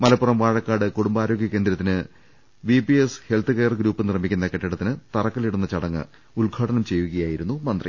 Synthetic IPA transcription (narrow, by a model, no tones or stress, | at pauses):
mɐlɐpːurɐmʋaːɻɐkːaːɽɨkuɽumbaːɾo̞ːɡʱʲjɐke̞ːnd̪ɾɐt̪ːinɨ | ʋipieshe̞lt̪ːɨɣejrɡɾuːpːɨnirɐmikʲːunːɐkeʈːiɽɐt̪ːinɨt̪ɐrɐkːɐliɽunːɐt͡ɕɐɽɐŋːɨ̰ | ulɡʰʱaːɽɐnɐmt͡ɕe̞jːuɣɐjaːjiɾunːumɐnd̪rḭ